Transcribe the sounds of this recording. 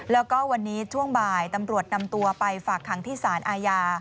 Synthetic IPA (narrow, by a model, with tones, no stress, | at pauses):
lɛː˦˥wwkɔː˥˩wa˧nːiː˦˥t͡ɕʰu˥˩əŋbaː˨˩jt̪a˧mɾu˨˩ət̪̚na˧mt̪u˧ɐpa˧jfaː˨˩kʰːa˩˦ŋt̪ʰiː˥˩saː˩˦nʔaː˧jaː˧